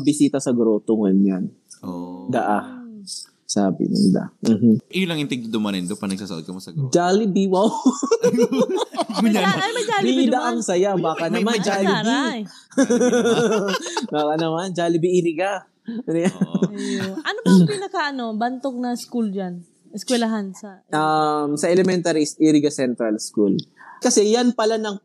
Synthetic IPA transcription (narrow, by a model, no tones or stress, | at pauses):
bɪsiːt̪ɐsɐɡɾoːt̪oŋʊnjan | od̪ɐʔa | sa̰ːbɪ̰nɪ̰d̪a̰m̩ɦ̩ʔɪjolɐŋʔɪnt̪ɛɡ̪̚d̪omɐnɛnd̪opɐnɐɡ̚saːsɐ̰od̪kɐmosɐd͡ʒaːlɪbiwaw | ɲaajɐd͡ʒabɪɪd̪ɐʔaŋsɐjabaːkɐnɐmand͡ʒaːlɪbi | baːkɐnɐmand͡ʒaːlɪbiʔiɾiɡa | ɐnja | ɐnobɐpɪnɐkaʔɐnobɐnt̪ok̚nɐskuld͡ʒan | ʔɛskwɛlɐɦansɐʔɐmsɐʔɛlɛmɛnt̪aɾisʔiɾiɡɐsɛnt̪ɾɐlskṵlkɐsɛjanpɐlanɐŋ